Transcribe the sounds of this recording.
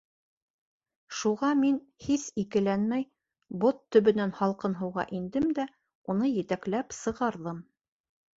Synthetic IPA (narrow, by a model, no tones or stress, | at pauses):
ʃuʁɑmin | hisikɘ̆lænmæj | bot̪ːɵ̆βɘ̆nænhɑlˠqɤnɦɤ̆wʁɑ̰ʔind̪ɘmd̪æ | unɤjɘ̆t̪æklæpsɤ̆ʁɑɾðɤm